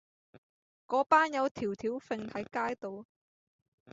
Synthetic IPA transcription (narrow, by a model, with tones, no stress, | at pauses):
kɔː˨˥paː˥njɐ˨˧wt̪ʰiː˨˩wt̪ʰiː˨˥wfɪ˧ŋt̪ɐ˨˥jkaː˥jt̪o˨˧w